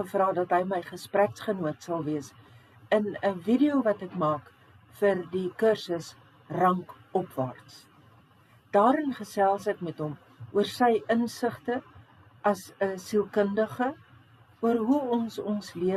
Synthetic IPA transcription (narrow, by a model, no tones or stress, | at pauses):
əfrɑːdɐtɦəjməjχəspræksχənuətsɐlˠviəs | ənəvidiowvɐtəkmɑːk | fərdikərsəs | rɐŋk | ɔpvɑ̰rts | d̥ɑːɾənχəsælˠsɛkmɛtɦɔm | uərsəjʔənsəχtə | ʔɐsəsilˠkəndəχə | uərɦuɔnsɔnsliə